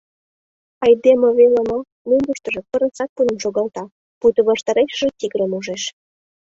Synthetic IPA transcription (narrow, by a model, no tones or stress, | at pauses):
ɑjd̪eməβelemo | mumbuʃt̪ə̆ʒĕpə̆ɾə̆nsɑt̪̚punə̆mʃoɣɑlt̪ɑ | put̪ə̆βɑʃt̪ɑɾeʃəʒĕt̪iɣəɾəmuʒeʃ